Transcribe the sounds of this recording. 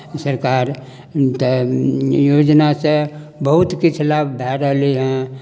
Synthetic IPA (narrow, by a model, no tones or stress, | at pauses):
səɾkaːɾ | t̪ | joːd͡ʒnase | bəɦʊt̪kit͡ʃʰlaːbbʱɛːɾəliɦɛ̃